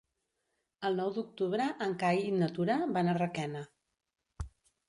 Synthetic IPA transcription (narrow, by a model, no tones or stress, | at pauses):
əlˠnɔwd̪uk̚t̪uβɾəʔːŋkajinət̪uɾəβanarəkɛnə